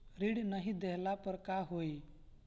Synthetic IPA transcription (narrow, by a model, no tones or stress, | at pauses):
ɾiɽnəɦĩd̪eɦlapəɾkaɦoi